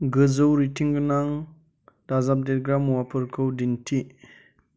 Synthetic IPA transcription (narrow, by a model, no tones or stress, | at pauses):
ɡɯzɯwɾitʰiŋɡɯnaŋ | dazap̚det̚ɡɾamːuwapʰɯɾkʰɯwdintʰi